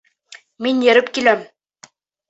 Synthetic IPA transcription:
minjɘ̆ɾɘpkilæm

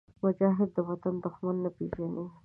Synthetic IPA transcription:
mʊd͡ʒɑɦɪd̪ːəwat̪and̪ʊxmanːapeʒani

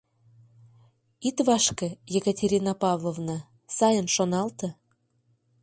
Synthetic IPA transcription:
it̪βɑʃkĕjekətʲeɾʲinɑpɑvlˠovnɑ | sɑjənʃonɑlt̪ɤ

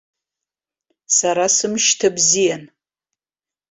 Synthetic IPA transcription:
saɾasɨmʃtʰabzijan

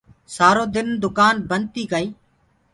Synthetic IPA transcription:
saːɾoːd̪ɪnd̪ʊkaːnbən̚t̪iːɡəiː

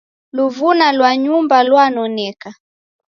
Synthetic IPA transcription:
luvunalwaɲumbalwanɔnɛka

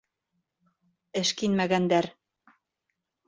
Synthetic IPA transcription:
ɘ̆ʃkinmæɣænd̪æɾ

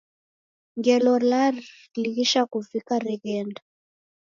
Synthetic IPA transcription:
ŋɡɛlɔla | liɣiʃakuvikaɾɛɣɛnda

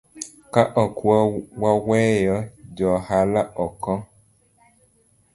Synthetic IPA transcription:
kaʔɔkuwawɛjɔd͡ʒɔhalaʔɔkɔ

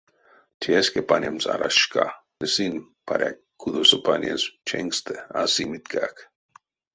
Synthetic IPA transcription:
t̪ʰieskepanʲemsa̰ɾaʃkat̪esin | pʰaɾʲakʰː | uðosəpʰanʲenst͡ʃʰeŋkst̪ʰeasimit̪kʰak

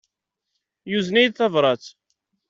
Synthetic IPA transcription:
juznæjd̪θɑvɾˤɑt͡s

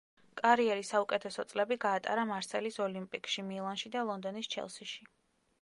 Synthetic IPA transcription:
kʼaɾiɛɾisaukʼɛt̪ʰɛsɔt̪sʼlɛbiɡaːt̪ʼa̰ɾamaɾsɛlisɔlimpʼikʃimilˠanʃid̪alˠɔnd̪ɔnist͡ʃʰɛ̰lˠsiʃi

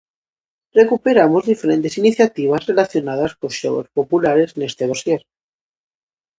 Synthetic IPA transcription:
re̞kupe̞ɾamozðifeɾent̪e̞siniθjat̪iβ̞azre̞laθjo̞nað̞askosʃo̰o̰spopulaɾe̞zne̞st̪eðosjeɾ

